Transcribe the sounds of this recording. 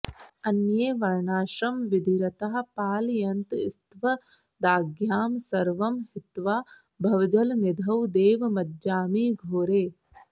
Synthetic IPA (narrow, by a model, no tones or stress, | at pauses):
ɐnjeːʋɐɾɳaːʃɐmʋɪd̪ʱiɾɐt̪ɐɦɐ̆paːljɐnt̪ɪst̪ʋɐ | d̪aːɡjaːmsɐɾʋɐmɦɪt̪ʋaː | bʱɐʋɐd͡ʒɐlnɪd̪ʱɐwd̪eːʋmɐd̪d͡ʒaːmiːɡʱoːɾeː